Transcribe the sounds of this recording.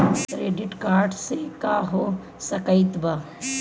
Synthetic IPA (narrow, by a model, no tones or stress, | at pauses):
kɾeːɖɪʈkaːɾɖsekaɦo | sɐkəɪt̪ba